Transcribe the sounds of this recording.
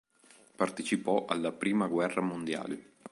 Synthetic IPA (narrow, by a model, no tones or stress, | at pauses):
part̪et͡ʃipɔʔalːapɾiːmaɡwɛrːamond̪ja̰ːle